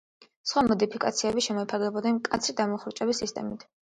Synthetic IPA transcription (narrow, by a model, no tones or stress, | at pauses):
sχwamɔd̪ipʰikʼat̪sʰiɛbiʃɛmɔɛpʰaɾɡɛbɔd̪nɛnkʼat̪sʰɾid̪amɔχɾut͡ʃʼɛbisist̪ʼɛ̰mit̪ʰ